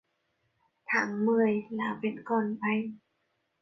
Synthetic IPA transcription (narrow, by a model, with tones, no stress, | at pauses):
t̪ʰaː˨˦ŋmɯː˧˩əjlaː˨˦wpe˨˧˩nkɔː˧˩npa˧˩j